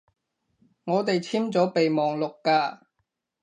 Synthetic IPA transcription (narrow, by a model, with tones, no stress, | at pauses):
ŋɔː˨˧t̪e˨jt͡sʰiː˥mt͡sɔː˨˥pe˨jmɔː˨ŋlʊ˨kːaː˧